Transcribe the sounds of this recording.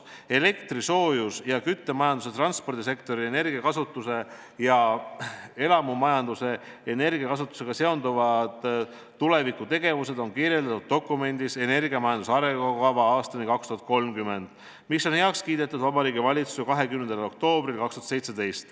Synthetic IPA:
e̞le̞kt̪ɾiso̞ːjusjɑkyt̪ːe̞mɑjɑnd̪us̬e̞t̪rɑnspo̞rd̪̥is̬e̞kt̪o̞ɾiene̞rɡiɑkɑsut̪ːˑuse̞ | jɑ | e̞lɑmumɑjɑnd̪use̞ː | ne̞rɡiɑkɑs̬ut̪ːˑu̥se̞ɡ̥ɑse̞o̞nd̪uvɑd̪̥ː | ule̞vikːˑut̪e̞ɡ̥e̞vuse̞d̪̥o̞nkiɾje̞ld̪ɑt̪ːud̪̥̚ːo̞kːˑume̞nʲd̪̥ise̞ne̞rɡiɑmɑjɑnd̪us̬ɑɾeɑkɑvɑɑːst̪ɑnikɑkst̪uhɦɑt̪̚ko̞lmkyme̞nd̪̥ | misːo̞nhe̞ɑkskiːd̪e̞t̪ːˑud̪vɑbɑɾiːɡivɑlʲit̪susekɑɦe̞kymnend̪elo̞k̚t̪o̞ːb̥rilkɑkst̪uɦɑt̪se̞jt̪se̞d̪e̞jst̪

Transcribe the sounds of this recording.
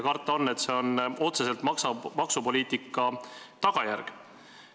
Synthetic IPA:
kɑrt̪ːˑɑo̞nːe̞t̪se̞o̞no̞t̪se̞se̞lt̪mɑksɑmɑksupo̞lʲiːt̪ikːˑɑt̪ɑɡ̥ɑjærɡ̥

